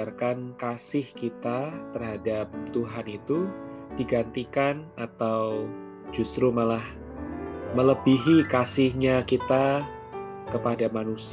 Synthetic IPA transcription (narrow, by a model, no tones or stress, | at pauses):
arkankasɪhkit̪at̪ərɦadap̚t̪uɦanit̪ud̥iɡant̪ikanat̪aw | d͡ʒust̪ɾumalah | mələbiɦikasɪhɲakit̪a | kəpadamanus